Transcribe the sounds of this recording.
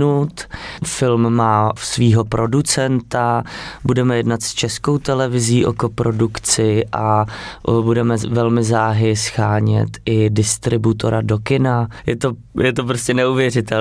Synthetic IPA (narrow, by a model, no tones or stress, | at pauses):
ut̪fɪlmːaːsviːɦo̞pɾʔo̞dut͡sɛnt̪abudɛmɛjɛdnat̪st͡ʃɛsko̞wt̪ɛlɛvɪziːʔo̰kopɾo̞dukt͡sɪʔa | budɛmɛvɛlmɪzaːɦɪsxaːɲɛ̰t̪ʔɪdɪst̪ɾɪbut̪o̞ɾadokɪnajɛt̪o | jɛt̪̬opɾoscɛnɛuvjɛrɪt̪ɛl